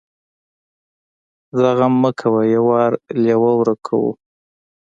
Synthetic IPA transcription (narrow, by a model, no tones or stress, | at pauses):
zaɣamːəkʰawajawɑɾljawawɾakʰa̰wṵ